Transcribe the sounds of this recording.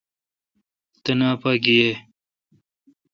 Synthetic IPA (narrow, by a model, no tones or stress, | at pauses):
t̪ɐnaːpaɡije